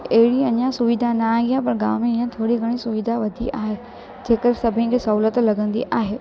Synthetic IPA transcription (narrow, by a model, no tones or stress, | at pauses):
ɐɦɪɽiɐɲãsʊʋid̪ʱanɐɡijapɐɾɡa̰ːʋmẽɲãt̪ʰoːɽiɡʱɐɽ̃isʊʋid̪ʱaʋɐd̪ʱiʔaːɦe | d͡ʑeːkəɾsɐbʱə̃ñkʰeːsɐɦuːlət̪lɐɡə̃nd̪ḭʔaːɦeː